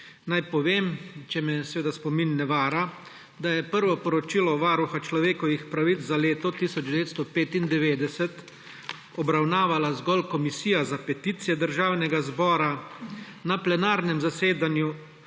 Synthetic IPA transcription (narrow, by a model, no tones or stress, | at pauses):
najpɔʋeːmt͡ʃɛmɛsɛʋeːd̪aspɔminːɛʋaːɾa | d̪ajɛpəɾʋɔpɔɾɔt͡ʃilɔʋaɾuxat͡ʃlɔʋeːkɔʋixpɾaʋit͡s̪zaleːt̪ɔt̪isɔd͡ʒd̪ɛʋeːt̪st̪ɔpeːt̪ind̪ɛʋeːd̪ɛsɛt̪ | ɔbɾawnaːʋalazɡɔlkɔmisiːjazapɛt̪it̪sijɛd̪əɾʒaːwnɛɡazbɔːɾa | naplɛnaːɾnɛmzaseːd̪anju